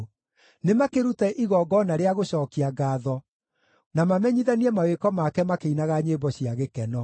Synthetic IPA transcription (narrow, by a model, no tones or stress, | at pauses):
nemakeɾutɛʔiɣɔːɡɔnaɾeaɣoɕɔːkiaɡaːðɔ | namamɛɲiðaniɛmawekɔmakɛmakeinaɣaɲebɔɕiaɣekɛnɔ